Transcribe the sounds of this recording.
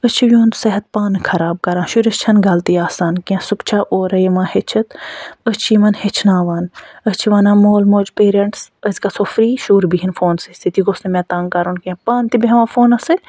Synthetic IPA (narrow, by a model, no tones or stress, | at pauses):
ət͡ʃʰiʋjõːnseɦɐt̪̚paːnkʰɐɾaːb̚kɐɾãːnʃuɾɐst͡ʃʰɐnɡɐlt̪iaːsaːnkiãsukt͡ʃʰaːʔoːɾɐjmãːhet͡ʃʰɐt̪ət͡ʃʰiːmɐnhet͡ʃʰnaːʋaːnət͡ʃʰiʋaːnãːmoːlmoːd͡ʒpeːɾɐɳʈsəzkasoːfɾiːʃuːɾbiɦinfoːnsist̪ʰit̪iɡosnemɛ̃ːt̪aːŋkɐɾunkãpaːnt̪ibeʋãːfoːnɐsɨlʲ